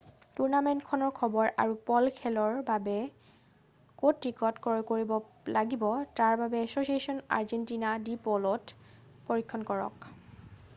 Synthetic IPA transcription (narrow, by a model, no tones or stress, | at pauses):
tuɹnamentkʰɔnɔɹkʰɔbɔɹa̰ɹupɔlkʰɛlɔɹbabɛ | kotɹikɔtkɔɹkoɹibɔ | laɡibɔtaɹbabɛɛsosiesɔna̰ɹzentinadipɔlɔtpoɹikʰːɔnkɔɹɔ̰k